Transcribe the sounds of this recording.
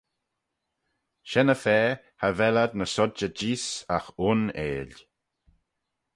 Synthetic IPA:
ʃɛnəfɛː | havɛlad̪̚nəsɔd͡ʒəd͡ʒiːsa̰xʊnḛːl

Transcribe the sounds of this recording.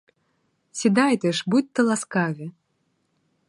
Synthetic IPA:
sʲid̪ajt̪ɛʂbut̚ʲt̪ːəlˠaskavʲɪ

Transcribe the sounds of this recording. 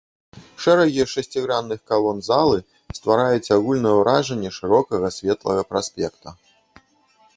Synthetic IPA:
ʂɛɾɐɣʲiɛʂɐsʲt͡sʲiɣɾanːɨxkalˠɔnzalˠɨ | st̪vaɾajut͡sʲaɣulʲnɐjɛwɾaʐɐnʲːɛʂɨɾɔkɐɣɐsʲvʲɛt̪lˠɐɣɐpɾasʲpʲɛkt̪ɐ

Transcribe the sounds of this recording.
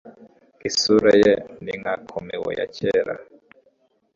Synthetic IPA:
isuɾɛjɛniŋakʰɔmiwɔ̰ja̰t͡ʃʰɛːɾa̰

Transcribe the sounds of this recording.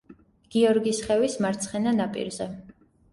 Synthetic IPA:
ɡ̥iɔɾɡisχɛvismaɾt̪sʰχɛnanapʼḭɾzɛ

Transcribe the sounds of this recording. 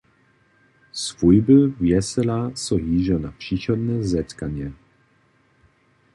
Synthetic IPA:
svujbəvjɛsɛlasɔɦiːʒɔnapʂiːxɔd̪nɛzɛt̪kaɲɛ

